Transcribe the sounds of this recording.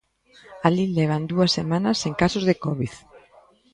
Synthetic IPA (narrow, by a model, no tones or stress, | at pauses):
alilɛβ̞and̪uɐsːemanɐseŋkasʊzðekɔβiθ